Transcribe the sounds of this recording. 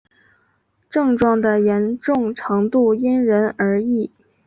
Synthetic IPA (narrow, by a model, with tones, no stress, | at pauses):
ʈ͡ʂɤ˥˧ŋʈ͡ʂwɑ˥˩ŋd̪ə˩jɛ˧˥nʈ͡ʂʊ˥˩ŋʈ͡ʂʰɤ˧˥ŋt̪u˥˩i˥nɻə˧˥nə˞˧˥i˥˩